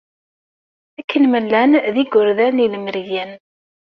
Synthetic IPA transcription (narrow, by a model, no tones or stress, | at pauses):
ækʰːənməlːænðiɡʊɾðænilməɾjæn